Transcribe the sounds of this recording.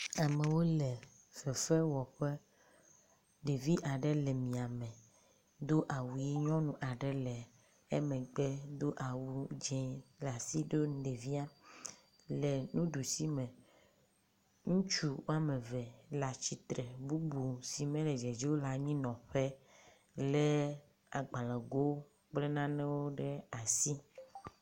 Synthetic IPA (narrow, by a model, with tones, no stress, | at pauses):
a˨me˨wo˦lɛ˨ | v̥ɛ˨fɛ˦wɔ˨ɸe˦ | ɖe˨vi˦ʔa˨ɖɛ˦lɛ˨mĩ˨a˨mɛ̃˨ | d̪o˦ʔa˨wu˨ji˦ɲɔ̃˦nũ˦ʔa˨ɖɛ˦lɛ˨ | e˦mɛ̃˨ɡ͡bɛ˦d̪o˦ʔa˨wu˦d͡ʒɛ̃˦la˨si˦d̪o˦˨˦ɖe˨vi˦a˦ | le˨nũ˦ɖu˨si˦mɛ̃˨ | ŋũ˦t͡ʃu˦wo˦a˦mẽ˨vɛ˨la˨t͡ʃi˨t̪ɾɛ˨bu˦bu˨si˨mẽ˦le˨d͡ʒɛ˨d͡ʒi˦wo˦la˨ɲĩ˦nɔ̃˨ɸe˦ | le˦ | a˨ɡ͡bã˨lã˨ɡo˦ | k͡ple˦nã˦nɛ̃˦wo˦ɖe˦a˨si˦